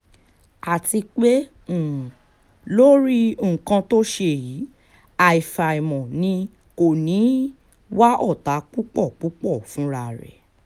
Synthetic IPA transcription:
a˨ti˧k͡pe˦˨ | lo˦ɾi˦˨kã˧to˦ʃe˧˨ji˨˦ | a˨i˨fa˨i˨mɔ̃˨nĩ˧ | ko˨nĩ˨˦ | wa˦ʔɔ˦˨ta˨˦k͡pu˦k͡pɔ˦˨k͡pu˦k͡pɔ˦˨fũ˨˦ɾa˧˨ɾɛ̰˨

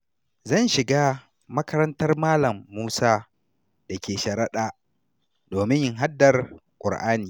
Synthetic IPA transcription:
zɐ˦˨nʃɪ˨ɡaː˦ | mɐ˦kɐ˦ɾɐ˦ntɐ˦rmaː˦lɐ˨mːuː˦saː˦ | d̥a˨kʲeː˨ʃɐ˨ɾɐ˦ɗaː˨ | doː˨mɪ˦ɲjɪ˦ŋɦa˦dːɐ˨rkʷʼʊ˨ɽʔaː˦niː˨

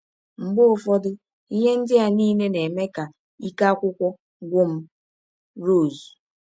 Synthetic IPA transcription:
m̩˨ɡ͡bʊ˦ʊ˨fɔ˦dʊ˦ | i˦ɦe˦n̩˦dɪ˦a˨ni˦ne˦ne˨me˦ka˨ | i˦ka˦kʷʊ˦kʷɔ˦ | ɡʷʊ˦m̩˦ | ɾo˦˨zi˨

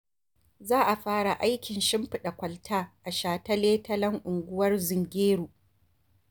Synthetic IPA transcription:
zaː˦ʔa˨ɸaː˦ɽa˨ʔa˦jkʲɪ˨nʃɪ˦mɸɪ˨ɗa˨kʷɐ˨ltʰaː˦ʔa˨ʃaː˨ta˦leː˦tɐ˦lɐ˦ŋʔʊ˨ŋɡʷʊ˦wɐ˦rzɪ˨ŋɡʲeː˦ɽuː˨

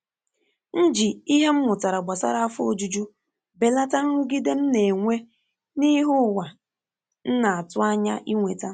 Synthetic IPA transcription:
n̩˦d͡ʒi˨i˦ɦe˦m̩˦mʊ˨ta˨ɾa˨ɡ͡ba˨sa̰˦ɾa˦a˦fo˨d͡ʒu˦d͡ʒu˦ | be˨la˦ta˦ŋ̩˦ʊ˦ɡi˦de˦m̩˦ne˨ŋʷe˦ | ni˦ɦʊ˦˨wa˨ | n̩˦na˨a˨tʊ˦a˦ɲa̰˦ʔi˦ŋʷe˨ta˦

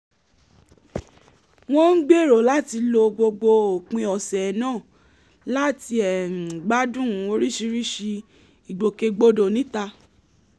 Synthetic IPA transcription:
w̃ɔ̃˦n̩˦ɡ͡be˦˨ɾo˨˦la˦ti˧lo˧ɡ͡bo˧ɡ͡bo˧o˨k͡pĩ˧ɔ˨sɛ˨nãː˦˨ | la˦ti˧ɛ˨m̩̃˨ɡ͡ba˦dũ˦˨˦o˧ɾi˦ʃi˧ɾi˦ʃi˧ | i˨ɡ͡bo˨ke˧ɡ͡bo˧do˨nĩ˨˦ta˧

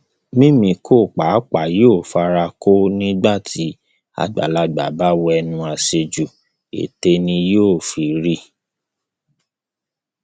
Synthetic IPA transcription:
mĩ˦mĩ˧kʰo˦˨k͡pa˨˦k͡pa˨joː˦˨fa˧ɾa˧ko˦nĩ˦ɡ͡ba˦˨tʰi˨˦ | a̰˧ɡ͡ba̰˨˦la˦ɡ͡ba˨ba˦wo˧ɛ˧nũ˧a˧se˧d͡ʒu˨ | ḛ˨te˧nĩ˧joː˦˨fi˨ɾi˦

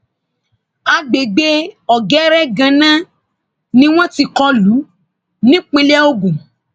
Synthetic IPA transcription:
a˧ɡ͡be˨ɡ͡be˦ɔ˨ɡɛ˨˦ɾɛ˦ɡã˧nã˦ | nĩ˦w̃ɔ̃˦ti˧kɔ˧lu˨˦ | nĩ˦k͡pĩ˦lɛ˦o˦ɡũ˨

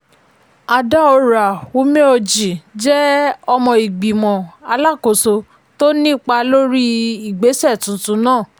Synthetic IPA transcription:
a˧da˦o˧ɾa˨wo˨˦mẽ˦o˧d͡ʒi˨d͡ʒɛ˦ɔ˧mɔ̃˧i˨ɡ͡bi˨mɔ̃˨a˧la˦˨ko˨so˧ | to˦nĩ˦˨k͡pa˧lo˦ɾi˦i˨ɡ͡be˨˦sɛ˦˨tũ˨˦tũ˨˦nãː˦˨

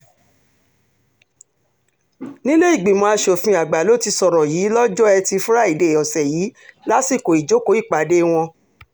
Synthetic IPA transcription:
nĩ˦le˦i˦˨ɡ͡bi˨mõ˧a˧ʃo˨fĩ˧a˨ɡ͡ba˨lo˦˨ti˧sɔ˧ɾɔ˨jiː˨˦lɔ˦d͡ʒɔ˦ɛ˧ti˧fũ˦ɾa˦i˨de˨ɔ˨sɛ˨jiː˨˦la˦si˦˨ko˨i˨d͡ʒo˨˦ko˨˦i˦˨k͡pa˨˦de˦w̃ɔ̃˧

